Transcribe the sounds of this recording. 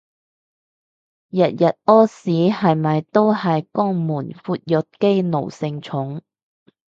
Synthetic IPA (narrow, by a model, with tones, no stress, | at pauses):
jɐ˨t̚jɐ˨t̚ʔɔː˥siː˨˥hɐ˨jmɐ˨jt̪o˥whɐ˨jkɔː˥ŋmuː˨˩nfuː˧t̚jɵ˨t̚ke˥jno˨˩wsɪ˧ŋt͡ʃʰʊ˨˥ŋ